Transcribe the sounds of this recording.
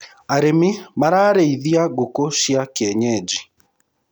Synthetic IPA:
aɾemimaɾaːɾeiðiaɡukoʃiakiɛɲɛd͡ʒi

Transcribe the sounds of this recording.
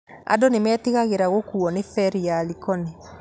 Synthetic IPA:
a̰donemɛːteɣaɣeɾaɣokuːɔnefɛɾialikɔne

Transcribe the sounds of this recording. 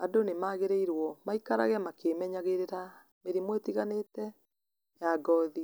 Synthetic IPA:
adonemaːɣeɾeiɾwɔmaikaɾa̰ɣɛmakemɛɲaɣeɾeɾa | meɾimwetiɣanetɛ | jaɡɔði

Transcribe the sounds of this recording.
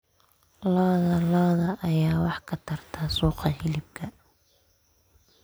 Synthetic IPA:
lɔːðɐlɔːðɐʔɐjaːwɑħkʰɐt̪ʰɐrt̪ʰɐsuːqɑhɪlɪb̚kʰɐ

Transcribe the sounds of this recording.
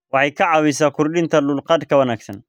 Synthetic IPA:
wɑħɑjkʰɐʕɑwɪsaːkʰʊɾɗɪnt̪ʰɐlʊlqɑd̪kʰɐwɐnaːɡsɐn

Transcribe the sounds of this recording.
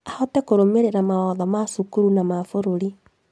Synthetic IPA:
ahotekoɾomeɾeɾamawaðamasukuɾunamafoɾoɾi

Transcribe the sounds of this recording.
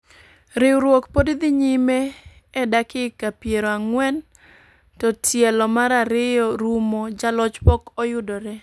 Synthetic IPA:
ɾɪwɾwokpodd̪ɪɲime | ɛdakɪkapjeɾɔaŋwɛn | tɔtʰjɛlɔmaɾaɾɪjɔɾumod͡ʒalɔt͡ʃpɔkɔjʊdɔɾɛ

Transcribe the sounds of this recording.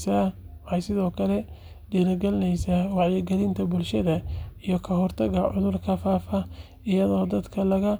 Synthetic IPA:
saːɛjsɪðɔːkʰɐlɛ | ɖiːɾɐɡɐlnɛjsawɑʕjɪɡɐlɪnt̪ʰɐbʊlʃɐðɐijɔkʰɐɦɔrt̪ʰɐɣɐʕʊ̰ðʊrkʰɐfaːfɐ | ɪjɐðɔːd̪ɐd̪kʰɐlɐɣɐ

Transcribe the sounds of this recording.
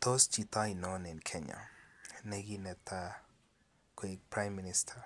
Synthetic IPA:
t̪ʰost͡ʃit̪ainɔnɪnkʰɛɲa̰nɛɡinɛt̪ʰa | kʰekpɾajmːinɪstʰaɾ

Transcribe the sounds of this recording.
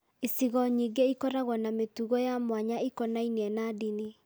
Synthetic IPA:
isiɣɔɲiɡeikɔɾaɣwɔnametuɣɔjamwaɲaikɔnainiɛnadini

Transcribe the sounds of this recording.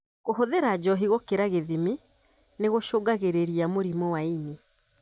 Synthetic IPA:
ɣoɦoðeɾad͡ʒɔɦiɣɔkeɾaɣeðime | neɣoʃoɡaɣeɾeɾiamoɾimɔwaini

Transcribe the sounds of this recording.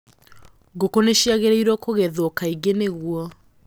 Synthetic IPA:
ɡokoneʃiaɣeɾeiɾwɔkoɣɛðokaiɡeneɣuɔ

